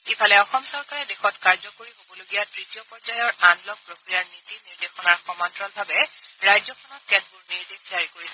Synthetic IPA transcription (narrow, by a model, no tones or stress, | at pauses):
kipʰalɛɔxɔmsɔɹkaɹɛdexɔtkaɹzɔkoɹixobɔloɡijatɹitijɔpɔɹzajɔɹanlɔk̚pɹokɹijaɹnitiniɹdexɔnaɹxɔmɔntɹɔnbʱabɛɹajzɔkʰɔnɔt̚kɛtʰbʊɹniɹdekz̥aɹikoɹisɛ